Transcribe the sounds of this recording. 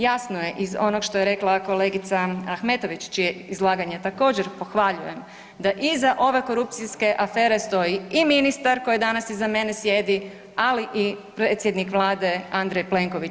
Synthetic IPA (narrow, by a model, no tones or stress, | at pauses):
jasnoje̞ʔizo̞noɡʃt̪o̞je̞ɾe̞klˠako̞le̞ɡit̪saaxme̞t̪o̞ʋit͡ʃt͡ʃijeizlˠaːɡaɲet̪ako̞ːd͡ʒeɾpo̞xʋaʎuje̞m | d̪aʔizaʔo̞ʋe̞ko̞ɾup̚t̪siske̞ʔafe̞ːɾe̞st̪o̞jiiminist̪aɾko̞jid̪anasizame̞ne̞sje̞d̪i | aliʔipɾeːt̪sje̞d̪nikʋlˠaːd̪e̞and̪ɾejple̞ŋko̞ʋit͡ʃ